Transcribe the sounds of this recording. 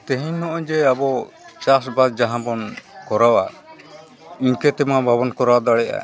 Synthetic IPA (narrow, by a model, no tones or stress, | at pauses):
t̪ɛɦiɔʔɔ̃d͡ʒɛabɔ | t͡ʃas̬bad̪̚d͡ʒaɦãbɔnkɔɾawa | iɲkɛt̪ɛmabʱaβɔnkɔɾawad̪ɔɽɛʔa̰